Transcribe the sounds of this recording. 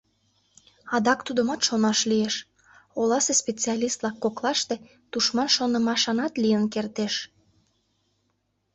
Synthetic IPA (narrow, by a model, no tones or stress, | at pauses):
ɑd̪ɑkt̪ud̪əmɑt̪ʃonɑʃlieʃ | olɑsespʲet͡siɑlʲist̪̚lɑkːoklɑʃt̪e | t̪uʃmɑnʃonəmɑʃɑnɑt̪lijənkert̪eʃ